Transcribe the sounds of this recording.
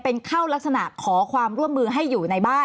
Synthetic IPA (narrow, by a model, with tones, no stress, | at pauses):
pe˧nkʰa˥˩wla˦˥k̚sa˧na˨˩kʰɔː˩˦kʰwaː˧mɾu˥˩əmːɯː˧ɦa˥˩jːuː˨˩na˧jbaː˥˩